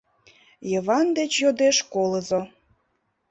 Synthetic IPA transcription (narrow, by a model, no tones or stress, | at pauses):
jəvɑnd̪et͡ɕjod̪eʃkoləzo